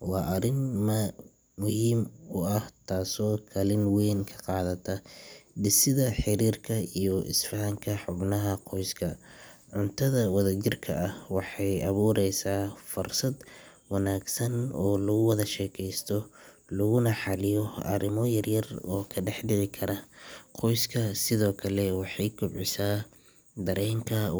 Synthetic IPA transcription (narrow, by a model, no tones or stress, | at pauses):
wɑːʔɐɾɪnmɐ | mʊhiːmʊɐht̪ʰaːsɔːkʰɐlɪnwɛːnkʰɐ̥qɑːðɐt̪ʰɐɖɪsɪðɐħɪɾiːrkʰɐijɔʔɪ̰sfɐŋkʰɐħʊbnɐɦɐqʰɔjskʰɐʕʊnt̪ʰɐðɐwɐðɐt͡ʃɪrkʰɐʔɐhwɑħɑjɐβuːɾɛjsaːfʊrsɐd̪ | wɑnaːɡsɐnɔːlɐɣʊwɐðɐʃɛːkʰɛjst̪ʰɔ | lɐɣʊnɐħɑlɪjɔɐ̰ɾɪmɔjɐrjɐrɔːkʰɐɖɛħɖɪʕɪkʰɐɾɐqɔjskʰɐsɪðɔːkʰɐlɛwɑħɑjkʰʊbʕɪsaː | d̪ɐɾɛːŋkʰɐ